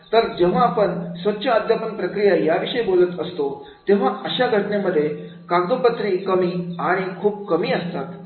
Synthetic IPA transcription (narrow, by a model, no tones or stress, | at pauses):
t̪əɾd͡ʑeʋ̤aːpəɳsʋətːɕʰəːd̪ʱjapənpɾəkɾijajaʋiʂəjbolət̪əst̪o | t̪eʋ̤aəɕaɡʱəʈɳeməd̪ʱːje | kaɡd̪opət̪ɾiːkəmiːaɽ̃ikʰuːb̚kəmiːəst̪at̪